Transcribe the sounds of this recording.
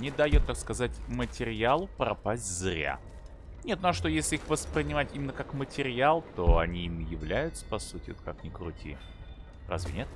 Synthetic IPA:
nʲɪd̪ɐjut̪ːakskɐzatʲmətʲɪɾʲɪalˠʊpɾɐ̰pasʲtʲzɾʲa̰ | nʲe̞t̪̚noaʂt̪o̞jesʲlʲɪixvəspɾʲɪnʲɪmatʲimʲɪnːəkakmətʲɪɾʲɪalˠt̪o̞ɐnʲiimjɪvlʲæjʊt̪sə̥pɐsutʲɪvot̪̚kaknʲɪkɾʊtʲʰḭ | ra̰zvʲɪ̰nʲet̪

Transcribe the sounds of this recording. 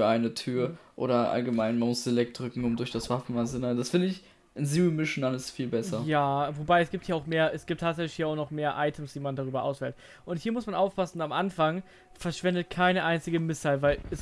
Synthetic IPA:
ɐʔaɪnətʰyːɐɐʔo̰ːɾɐʔa̰lɡəmaɪnmanmʊsz̥elɛk̚t̚d̥ʁʏkŋ̩ʊmdʊɐçd̥asv̥afn̩manzɪnad̥asfɪndəɪç | ʔɪnziʁimɪʃn̩ʔaləsfiːlbɛsɐjaːvobaɪɛsɡ̥iːp̚thiːɐaʊxmeːɐʔɛsɡ̥iːp̚tʰːaːtzɛçlɪçhiːɐaʊxnɔχmeːɐʔaɪtʰəmsd̥iːmandaʁyːbɐʔa̰ʊsv̥ɛːlt | ʔʊnthiːɐmʊsmanʔaʊfpʰasn̩ʊnamʔanfaŋ | fɛɐʃv̥ɛndət̚kʰaɪnəʔaɪnt͡sɪɡəmɪsaɪlvaɪlɛs

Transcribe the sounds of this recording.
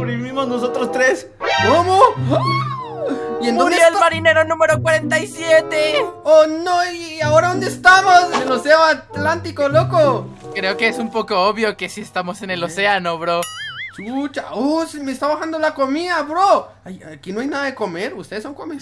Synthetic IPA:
ɾiɾβimoznosot̪ɾost̪ɾes | komo | iend̪oeelmaɾine̞ɾo̞nũme̞ɾokwaɾent̪aisjet̪eonoiiaoɾaðond̪est̪amoseloseoat̪lant̪ikolokokɾe̞okeesumpo̞ko̞oβjo̞kesie̞st̪amo̞se̞ne̞lo̞se̞anoβɾot͡ʃut͡ʃaosimest̪aβaxand̪olakomiðaβɾo | ajakinoajnaðaðekomeɾust̪eðesoŋkomes

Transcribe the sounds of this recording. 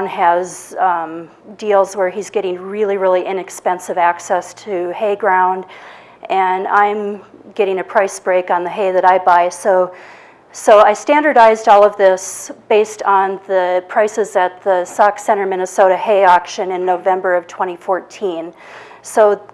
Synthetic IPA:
nɨz | dilˠzwə˞izɡɛɾɪ̃ŋɹɪlˠiɹɪlˠiʔɪ̃nɨkspɛ̃nsɨvæksɛstʰɨheɪɡɹãʊ̃nd | ʔɨ̃nãɪ̃m | ɡ̥ɛɾɪ̃ŋɨpʰɹ̥aɪsb̥ɹeɪkn̩ðɨɦeɪðɨɾaɪbaɪsoʊ | soʊaɪstæ̃ndə˞ɾaɪzdɔlˠʌvðɪsb̥eɪstn̩ðɨpʰɹ̥aɪsɨzɨt̪̚ðɨsɑksɛ̃ɾ̃ə˞mɪ̃ñɨsoʊɾɨheɪɑkʃɨ̃nɨ̃nːoʊvɛ̃mbə˞ʌv̥tʰw̥ɛ̃ɾ̃ifɔɹtʰĩn | soʊ

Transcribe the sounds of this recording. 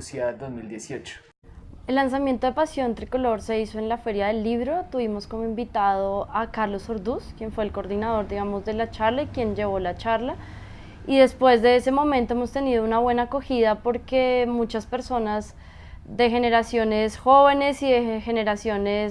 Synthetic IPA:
sjad̪ozmild̪jesiot͡ʃo̥ | elːans̬amje̞nt̪o̞ðepasjo̞nt̪ɾiko̞lo̞ɾse̞iso̞e̞nlafe̞ɾjaðe̞lːiβɾo̞t̪uβimo̞sko̞moĩmbit̪að̞oakaɾlo̞so̞ɾd̪uskje̞ɱfwe̞ːlkoɾðinað̞o̞ɾd̪iɣamo̞zd̪e̞lat͡ʃaɾlaikje̞nd͡ʒe̞β̞o̞lat͡ʃaɾla | iðe̞spwe̞zd̪e̞ese̞mo̞mẽnt̪o̞emo̞st̪e̞niðo̞unaβwe̞naːko̞xiðapo̞ɾke̞mut͡ʃaspe̞ɾso̞naz | d̪e̞xe̞ne̞ɾasjo̞ne̞sxo̞βe̞ne̞siðexe̞ne̞ɾasjo̞ne̞

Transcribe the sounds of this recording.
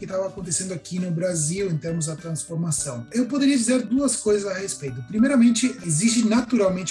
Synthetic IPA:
kɪt̪avɐːkõnt̪̬esẽnd̪ʊakʰinʊbɾaziwẽt̪eɾmʊzd̪ɐt̪ɾɐ̃sfoɾmasɐ̃w̃ewpod̪eɾiɐd͡ʒizeɾd̪uɐskojzɐzahespejt̪ʊpɾimejɾɐmẽnt͡ʃɪezist͡ʃɪnat̪uɾawmẽnt͡ʃɪ

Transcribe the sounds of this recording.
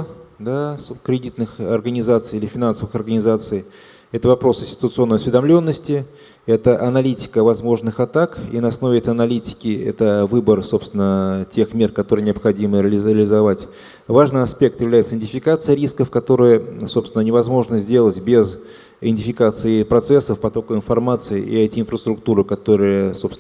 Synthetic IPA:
d̪askɾʲɪdʲit̪nɨxɐrɡənʲɪzat̪sɨjilʲɪfʲɪnansəvɨxɐrɡənʲɪzat̪sɨj | ɛt̪əvɐpɾo̞sɪnʲsʲtʲɪ̥t̪ʊt̪sɨo̞nːəjɐsvʲɪd̪ɐmlʲo̞nːəsʲtʲɪ | ɛt̪əʔɐnɐlʲitʲɪ̥kəvɐzmo̞ʐnɨxɐt̪akḭnəɐsno̞vʲɪɛt̪əɐnɐlʲitʲɪ̥kʲɪɛ̰t̪əvɨbərso̞pst̪ʲɪnətʲe̞xmʲe̞rkɐt̪o̞ɾɨjnʲɪɐpxɐdʲimɨɾʲɪlʲɪzɐvatʲ | vaʐnɨjɐspʲe̞k̚t̪jɪvlʲæjɪt̪səɪnʲtʲɪfʲɪkat̪sɨjəɾʲiskəfkɐt̪o̞ɾɨjəso̞pst̪ʲɪnənʲɪvɐzmo̞ʐnəzʲdʲelˠətʲbʲez | ɪɪnʲtʲɪfʲɪkat̪sɨɪpɾɐt̪sɛsːəfpɐt̪o̞kəɪnfɐrmat̪sɨɪʔḭɛtʲɪnfɾəst̪ɾʊkt̪uɾɨkɐt̪o̞ɾɨjəso̞pst̪

